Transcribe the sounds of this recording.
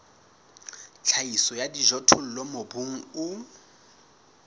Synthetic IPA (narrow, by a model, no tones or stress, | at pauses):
t͡ɬʰaisɔjadiʒɔtʰʊl̩lɔmobuŋ̩ʊ